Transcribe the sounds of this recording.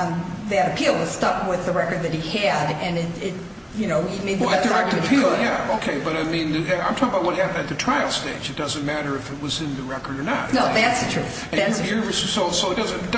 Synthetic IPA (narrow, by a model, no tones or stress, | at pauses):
ðɨɾɨpʰilˠwʌz̥stʌkwɪðəɹɛkə˞d̪̚ðɨt̚hiɨɾɨ̃nɪɾɪt̚ | jɨnoʊimeɪd̪̚ðɨɛsəɹɛkə˞ɨpʰijæoʊkʰeɪbʌɾaɪmĩnðɨãɪ̃mtʰɔkəbaʊt̚wʌt̚hæpɨ̃n̩dɨt̪̚ðɨtʰɹ̥aɪl̩ˠsteɪd͡ʒɨt̚d̥ʌzɨ̃nmæɾə˞ɨfɨt̚wʌzɨ̃nðɨɹɛkə˞ɾə˞nətnoʊðætsðɨtʰɹ̥ʉ̰θ | ɨ̃ðjəssoʊsoʊɨt̚d̥ʌzɨ̃nd̥